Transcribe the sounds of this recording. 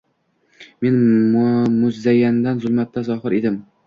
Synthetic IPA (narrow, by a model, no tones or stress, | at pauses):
me̞n | mʊzajand̪anzʊlˠmat̪ːazɒχɨɾed̪ɪm